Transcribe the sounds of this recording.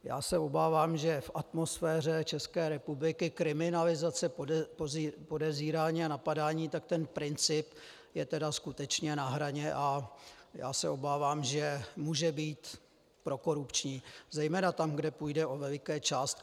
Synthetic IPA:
ja̰ːsɛobaːvaːmʒɛfʔat̪mosfɛːr̝ɛt͡ʃɛskɛːɾɛpublɪkɪkɾɪmɪnalɪzat͡sɛppo̞dɛvziːɾaːɲiːanapadaːɲiːt̪ak̚t̪ɛnpɾɪnt͡sɪp | jɛt̪ɛdaskut̪ɛt͡ʃɲɛnaɦɾaɲɛʔaja̰ːsɛʔo̞baːvaːmʒɛmuːʒɛbiːt̪ | pɾo̞ko̞ɾupt͡ʃɲiːzɛjmɛːnat̪amɡdɛpujdɛʔo̞vɛlɪkɛːt͡ʃaːst̪̚

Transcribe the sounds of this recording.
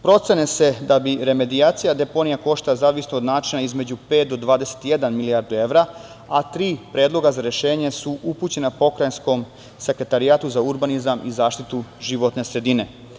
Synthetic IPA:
pɾo̞t̪se̞nese̞d̪abiɾe̞me̞d̪iaːt̪sijad̪e̞po̞nijako̞ʃt̪alazaːʋisnood̪naːt͡ʃinaizme̞d͡ʑupet̪̚d̪o̞d̪ʋaːd̪e̞se̥t̪ijed̪anmiliaɾd̪ue̞ʋɾa | at̪ɾiːpɾe̞ːd̪lˠo̞ɡazaɾe̞ʃe̞ːɲe̞suʔuput͡ɕe̞napo̞kɾajnsko̞m | se̞kɾe̞t̪aɾiaːt̪uzauɾbanizamʔizaːʃt̪it̪uʒiʋo̞t̪ne̞sɾe̞d̪ine̞

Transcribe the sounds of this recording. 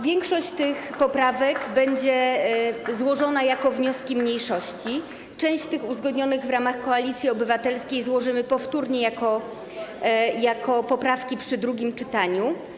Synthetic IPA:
vʲjɛŋkʂɔɕt͡ɕt̪ɘxpɔpɾavɛkbɛɲd͡ʑɛ | zwɔʐɔnajakɔvɲɔskʲimɲejʂɔɕt͡ɕi | t͡ʂɛ̃w̃ɕt͡ɕt̪ɘxuzɡɔd̪ɲɔnɘɣvɾamaxkɔalʲit̪sʲjiɔbɘvat̪ɛlskʲejzwɔʐɘmɘpɔft̪uɾɲɛjakɔ | jakʰɔpɔpɾafkʲipʂɘd̪ɾuɡʲimt͡ʂɘt̪aɲu

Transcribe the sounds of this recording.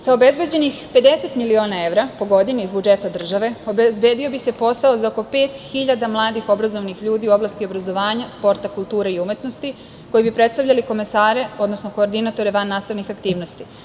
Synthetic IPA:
saobe̞zbe̞d͡ʑe̞nixpe̞d̪e̞se̞t̪milio̞ːnae̞ʋɾapo̞ɡo̞d̪iniizbud͡ʒe̞t̪ad̪r̩ʒaʋe̞o̞bezbe̞ːd̪io̞bise̞po̞saozaoko̞pe̞ːt̪xiʎad̪amlˠaːd̪ixo̞bɾazo̞ʋnixʎuːd̪iuo̞blast̪io̞bɾazo̞ʋaːɲaspo̞ɾt̪akulˠt̪uːɾeiumje̞t̪no̞st̪i | ko̞jibipɾe̞t̪st̪avʎaliko̞mesaːɾe̞o̞d̪nosno̞ko̞ːɾd̪inat̪o̞ɾe̞ʋanːaːst̪aʋnixakt̪iːʋno̞st̪i

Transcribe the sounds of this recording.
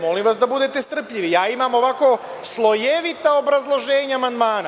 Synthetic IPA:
mo̞liːmʋasd̪abud̪et̪est̪r̩pʎiʋijaːimamo̞ʋako̞ | slˠo̞je̞ʋit̪aobɾazlˠo̞ʒe̞ːɲaamand̪maːna

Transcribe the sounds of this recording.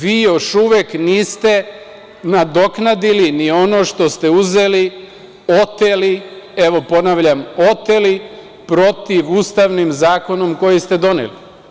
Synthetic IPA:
ʋiːjo̞ʃuʋekniːst̪e̞ | nad̪o̞knad̪ilinio̞no̞ʃt̪o̞st̪e̞uze̞li | o̞t̪elieʋo̞po̞naʋʎamo̞t̪eli | pɾo̞t̪iʋuːst̪aʋnimzaːko̞no̞mko̞jist̪e̞d̪o̞nḛli

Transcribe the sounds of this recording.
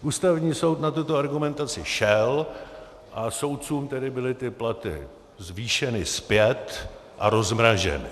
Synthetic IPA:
ʔuːst̪avɲiːso̞wt̪nat̪ut̪oaɾɡumɛnt̪at͡sɪʃɛl | ʔaso̞wt̪̚t͡suːmt̪ɛdɪbɪlɪt̪ɪplat̪ɪ̰ | zviːʃɛnɪspjɛt̪ʔa̰ɾo̞zmɾaʒɛ̰nɪ̰

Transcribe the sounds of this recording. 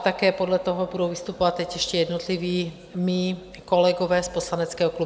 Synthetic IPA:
t̪akɛːpodlɛt̪ɔɦɔbudowvist̪upɔvat̪t̪ːɛcɛʃcɛjɛd̪not̪liviː | mi | kolɛɡɔʋɛːsposlanɛt͡skɛːɦɔklu

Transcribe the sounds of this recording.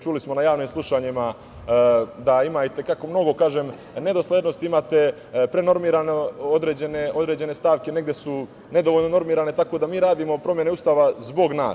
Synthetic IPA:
t͡ʃulismo̞najaːʋniːmslˠuʃaɲima | d̪aimajt̪e̞kako̞mno̞ɡo̞kaːʒem | ne̞d̪o̞slˠeːd̪no̞st̪iimaːt̪e̞ | pɾe̞no̞ɾmiːɾaneod̪ɾeːd͡ʑe̞ne̞ʔo̞d̪ɾe̞ːd͡ʑe̞ne̞st̪aːʋke̞neɡd̪jesu | ne̞d̪oʋoʎno̞no̞ɾmiːɾaːne̞t̪ako̞d̪amiːɾaːd̪iːmo̞pɾo̞mje̞neust̪aːʋazbo̞ɡna̰ːs

